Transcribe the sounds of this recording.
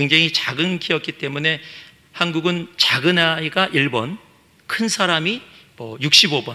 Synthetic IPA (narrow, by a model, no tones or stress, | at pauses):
keŋd͡ʑeŋit͡ɕaɡɯnkʰiʌk̚k͈it͈e̞mune̞ | hanɡuɡɯnt͡ɕaɡɯnaiɡaʔiɭbʌn | kʰɯnsʰaɾamimʌjuk̚ɕ͈ibobʌn